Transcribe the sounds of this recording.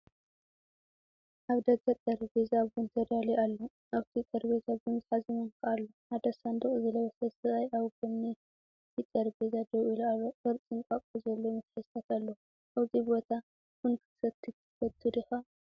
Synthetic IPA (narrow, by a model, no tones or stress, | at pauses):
ʔaβd̪ɐɡɐt̪ʼɐɾbezabunt̪ʰɐd̪aliʔalːo | ʔaβt̪ʰit̪ʼɐɾbezabɨmɨzħazɨmunkʰaalːoħad̪ɐsɐnd̪uχʼzɨlɐβɐsɐsɨajawɡɐmni | fit̪ʼɐɾbezad̪ɐwilalːokʼɐɾt͡sʼɨŋkʼakʼuzɐlːomɨt̪ħast̪ʰat̪ʰalːo | ʔawzʼibo̞t̪ʰa | wunkʰɨ̥sɐt̪ʰːikʰɨfɐt̪ʰːɨd̪ixa